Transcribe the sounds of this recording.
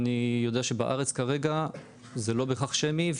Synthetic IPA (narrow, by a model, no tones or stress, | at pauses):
nijo̞d̪eaʃe̞baʔa̰ʁet͡skaʁe̞ɡa | zelo̞beχaχʃemiv